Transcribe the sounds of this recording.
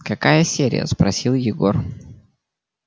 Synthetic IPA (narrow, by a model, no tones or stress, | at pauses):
kɐkajəsʲeɾʲɪ̰jə̰spɾɐsʲilˠjɪɡor